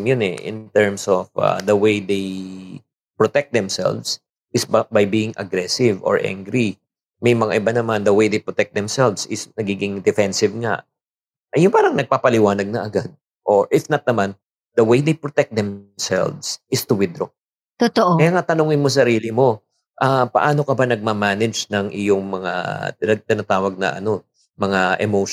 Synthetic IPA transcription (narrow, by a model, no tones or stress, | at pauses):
mjʊnɛ̰ʔɪ̰nt̪ɛɹmsofɐ̰d̪ɐwejd̪ej | pɹot̪ɛk̚t̪̚d̪ɛmsɛ̰lvs | ʔɪsbɐjbiːɪŋɐ̰ɡɾɛsɪvo̰ɹʔã̰ŋɡɾi | mɐjmɐŋa̰ʔɪbanɐmand̪ɐwejd̪ejpɹot̪ɛk̚d̪ɛmsɛlvsɪsnɐɡiːɡɪŋd̪ɛfɛnsɪvŋa̰ʔ | ʔɐjʊnpaːɾɐŋnɐɡ̚paːpɐlɪwaːnɐɡ̚nɐʔɐɡad̪̚ | ʔoɹʔɪfnɐt̪̚nɐman | d̪̥ɐwejd̪ejpɹot̪ɛk̚d̪ɛmsɛ̰lvsʔɪst̪ʊwɪd̪ɾo | t̪ot̪oʔkɐjaːŋat̪ɐnoːŋɪnmos̬ɐɾiːlɪmo̞ | ʔapɐ̰ʔaːno̞kɐbanɐɡ̚mamanɛd͡ʒnɐŋʔɪjoŋmɐŋa̰nɐɡ̚t̪ɪnat̪aːwɐɡ̚nɐ̰ʔɐ̰no̞ | mɐŋaʔɛmowʃ